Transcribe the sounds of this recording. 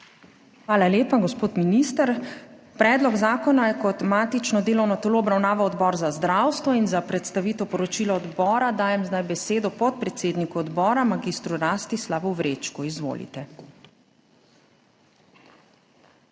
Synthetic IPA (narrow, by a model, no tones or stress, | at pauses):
xʋaːlaleːpaɡɔspoːt̪miniːst̪əɾpɾɛːd̪lɔɡzaːkɔnajɛkɔt̪maːt̪it͡ʃnɔd̪eːlɔwnɔt̪ɛloːɔbɾawnaːʋawɔd̪bɔːɾzazd̪ɾawst̪ʋɔinzapɾɛt̪st̪aʋiːt̪ɛwpɔɾɔt͡ʃilɔɔd̪bɔːɾad̪aːjɛmzd̪ajbɛseːd̪ɔpɔt̪̚pɾɛt̪seːd̪nikuɔd̪bɔːɾamaɡist̪ɾuɾaːst̪islaːbɔʋɾet͡ʃkuizʋo̰ːlḭt̪ɛ